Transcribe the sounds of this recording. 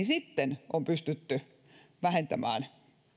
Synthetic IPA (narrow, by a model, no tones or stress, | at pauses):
isit̪ːenʔompyst̪yt̪ːy | ʋæhent̪æmæ̰ːn